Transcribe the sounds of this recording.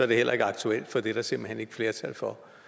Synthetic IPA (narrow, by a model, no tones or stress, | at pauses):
sɒɐd̥e̝hel̰ɐe̝ɡ̥əɑ̈ɡ̥t͡sʰuel̰d̥fɒd̥e̝ɾ̥ɑ̈se̝mb̥l̩hene̝ɡ̥ə̥fle̝ːɐt͡sʰælfɒ